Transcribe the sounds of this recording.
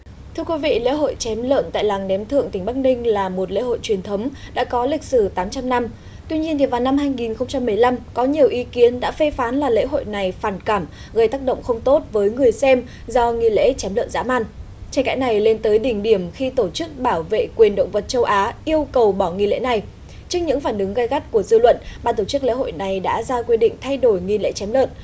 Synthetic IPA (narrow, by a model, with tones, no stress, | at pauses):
t̪ʰɨ˧əkwi˨˦vḭ˧˨lḛ˧˥ɦo̰˧˨jt͡ɕɛ˨˦mlə̰ː˧˨nt̪a̰ː˧˨jlaː˨˩ŋnɛ˨˦mt̪ʰɨ̰˧˨əŋt̪ï˩ŋ̟ɓa˦˥k̚nï˧ŋ̟laː˨˩mo˨˩t̚lḛ˧˥ho̰˧˨jt͡ɕwi˨˩ənt̪ʰə˨˦wŋ͡mɗa̰ː˧˥kɔ˨˦lï˨˩k̟̚sɨ˧˩t̪aː˨˦mt͡ɕa˧mna˧m | t̪wi˧ɲi˧ənt̪ʰi˨˩vaː˨˩wna˧mɦaː˧jŋi˨˩nxə˧wŋ͡mt͡ɕa˧mːɨ˨˩əjla˧mkɔ˨˦ɲi˨˩əwʔi˨˦ki˨˦ənɗa̰ː˧˥fe˧faː˨˦nlaː˨˩lḛ˧˥ɦo̰˧˨jna˨˩jfaː˨˧˩nkaː˧˩m | ɣə˧jt̪aː˦˥k̚ɗə̰˧˨wŋ͡mxə˧wŋ͡mt̪o˦˥t̚vəː˨˦jŋɨ˨˩əjsɛ˧m | zɔ˧ŋi˧lḛ˧˥t͡ɕɛ˨˦mlə̰ː˧˨nza̰ː˧˥ma̰ː˧˨n | t͡ɕe˧˦nka̰ː˧˥jna˨˩jle˧nt̪əː˨˦jɗï˧˩ŋ̟ɗi˧˩əmxi˧t̪o˧˩t͡ɕɨ˦˥k̚ɓaː˧˩wvḛ˧˨kwi˨˩ənɗə̰˧˨wŋ͡mvə˨˩t̚t͡ɕə˧wʔaː˨˦ʔi˧əwkə˨˩wɓɔ˧˩ŋi˧lḛ˧˥na˨˩j | t͡ɕɨ˦˥k̚ɲɨ̰˧˥ŋfaː˧˩nʔɨ˨˦ŋɣa˧jɣa˦˥t̚ku˧˩əzɨ̰˧lwə̰˧˨nɓaː˧nt̪o˧˩t͡ɕk̚lḛ˧˥ɦo̰˧˨jna˨˩jɗa̰ː˧˥zaː˧kwi˧ɗḭ˧˨ŋ̟t̪ʰa˧jɗo˧˩jŋi˧lḛ˧˥t͡ɕɛ˨˦mlə̰˧˨n